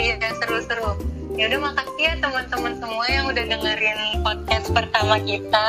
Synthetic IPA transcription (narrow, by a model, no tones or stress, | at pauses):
asəɾusəɾʊ | jaudɛhmakat̪̚iat̪əmənt̪əmənsəmuajaŋudahdəŋəɾɪnpɔd̚kas̚pərt̪amakit̪a